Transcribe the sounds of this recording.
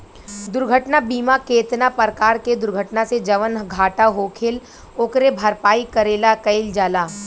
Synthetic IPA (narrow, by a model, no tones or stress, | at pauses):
d̪ʊɾɡʱəʈnabiːmakeːt̪napəɾkaːɾked̪ʊɾɡʱəʈnased͡ʒɐʋənɡʱaːʈaɦoːkʰɪl | oːkɾebʱɐɾpaːikɐɾeːlakɐɪld͡ʒaːlaː